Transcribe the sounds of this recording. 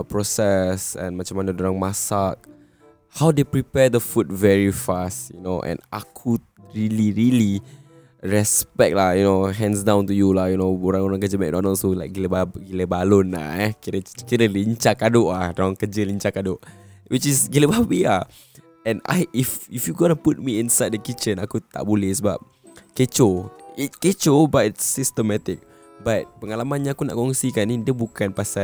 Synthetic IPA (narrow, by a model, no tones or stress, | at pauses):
pɹɔsɛsɛ̰̃nmat͡ʃamanədoɾãŋmasak̚ | hawdepɹipɛdəfut̚vɛɹifastjṵnoʔɛ̰̃na̰kʰu | ɹiliɹili | ɹɛspɛk̚t̚lahjunoɦɛ̃ns̬dãw̃ntujulajunooɾãŋoɾaŋkəd͡ʒəmɛʔ̚nɔʔ̚nõsulaɪk̚ɡiləbabɡiləbalʊnla̰ɛkiɾəkiɾəliɲt͡ʃakadʊʔlahdaaŋkəd͡ʒəliɲt͡ʃakadʊʔ | wit͡ʃisɡiləbabia | ʔɛ̃na̰jififjuɡɔnəput̚miinsajd̚dəkit͡ʃə̃nakut̪a̰ʔbulɛhsəbap̚ | ket͡ʃoit̚ket͡ʃobatitsist̪əmɛt̪ik̚ | bat̚pəŋalamãnɲaakuna̰ʔkɔŋsikanidiəbukanpasa